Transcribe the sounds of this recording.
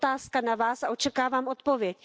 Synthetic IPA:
t̪aːskanavaːsaʔo̞t͡ʃɛkaːvaːmʔot̪povjɛc

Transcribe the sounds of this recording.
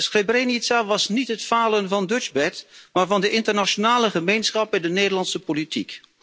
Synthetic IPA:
sχrebrenitsaʋɑsnitɦətfaːlənvɑndød͡ʒbɛtmaːɹvɑndəʔɪntəɹnaʃonaːləχəmejnsχɑpɛdənejdəɹlɑnsəpolitik

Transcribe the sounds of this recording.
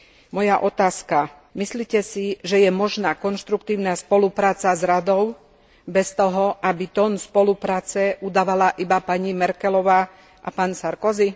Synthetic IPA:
mɔjaʔɔt̪aːska | misliːcɛsiʒɛjɛmɔʒnaːkɔnʃt̪ɾukt̪iːʊnaspɔlupɾaːt͡sazɾad̪ɔʊ | bɛst̪ɔɦɔʔabit̪ɔnspɔlupɾaːt͡sɛʔud̪aːʋalaʔibapaɲimɛɾkɛlɔʋaː | ʔapaːnsaɾkɔzi

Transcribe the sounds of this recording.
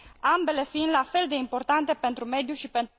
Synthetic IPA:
ambe̞le̞find̪lafe̞ld̪e̞impo̞rt̪ant̪e̞pe̞nt̪ɾume̞d̪juʃipe̞nt̪

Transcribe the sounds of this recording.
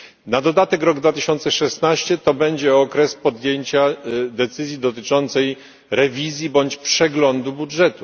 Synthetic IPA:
nad̪ɔd̪at̪ɛkɾɔɡd̪vat̪ɘɕɔnt̪sɛʂɛsnaɕt͡ɕɛt̪ɔbɛɲd͡ʑɛɔkɾɛspɔd̪jeɲt͡ɕad̪ɛt̪sɘzʲjid̪ɔt̪ɘt͡ʂɔnt̪sɛj | ɾɛvʲizʲjibɔɲt͡ɕpʂɛɡlɔnd̪ubudʐɛt̪u

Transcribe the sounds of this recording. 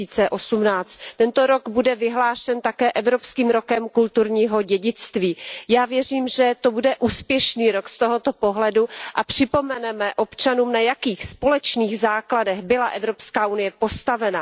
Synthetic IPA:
iːt͡sɛʔo̞sumnaːt͡st̪t̪ɛnt̪o̞ɾo̞ɡbudɛvɪɦlaːʃɛnt̪akɛːʔɛvɾo̞pskiːmɾo̞kɛmkult̪uɾɲiːɦo̞ɟɛɟɪt͡st̪viːjaːvjɛriːmʒɛt̪o̞budɛʔuːspjɛʃniːɾokst̪oɦo̞t̪o̞po̞ɦlɛduʔapr̝̥ɪpo̞mɛnɛmɛʔo̞pt͡ʃanuːmnajakiːxspo̞lɛt͡ʃniːɣzaːkladɛɣbɪlaʔɛvɾo̞pskaːʔunɪjɛpo̞st̪avɛna

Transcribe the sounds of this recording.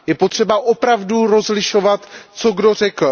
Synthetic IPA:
jɛpot̪r̝̥ɛbaʔopɾavduɾo̞zlɪʃo̞vat̪t͡so̞ɡdo̞r̝ɛkl̩

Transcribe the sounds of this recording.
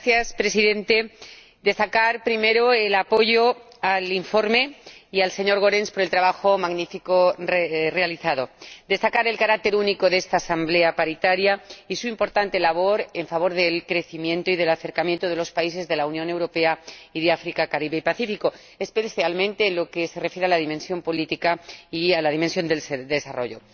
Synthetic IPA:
θjaspɾe̞siðe̞nt̪e̞ | d̪e̞st̪akaɾpɾime̞ɾo̞e̞lapo̞ʝo̞ | aliɱfo̞ɾme̞ialse̞ɲo̞ɾɣo̞ɾenspo̞ɾe̞lt̪ɾaβaxo̞maɣnifikorere̞aliθaðo̞d̪e̞st̪akaɾe̞lkaɾak̚t̪e̞ɾuniko̞ðe̞st̪aːsamble̞apaɾit̪aɾjaisuimpo̞ɾt̪ant̪e̞laβ̞o̞ɾeɱfaβ̞o̞ɾðe̞lkɾe̞θimjẽ̞nt̪oiðe̞laθe̞ɾkamjent̪oðe̞lo̞spais̬e̞zðe̞launjõ̞ne̞wɾo̞pe̞aiðeafɾikakaɾiβeipaθifiko̞ | e̞spe̞θjalmẽnt̪e̞ːnlo̞ke̞se̞refjeɾealaðimensjo̞mpo̞lit̪ikaialaðimensjo̞nd̪elsd̪e̞saro̞̰ʝo̞̰

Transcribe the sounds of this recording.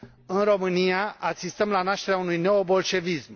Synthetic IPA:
ɨnro̞mɨnijaʔasist̪əmlanaʃt̪e̞ɾeaunujne̞obo̞lʃe̞vism

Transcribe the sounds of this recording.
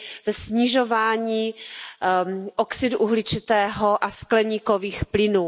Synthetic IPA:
vɛsɲiʒovaːɲiː | ʔoksɪduʔuɦlɪt͡ʃɪt̪ɛːɦoʔasklɛɲiːkoviːxplɪnuː

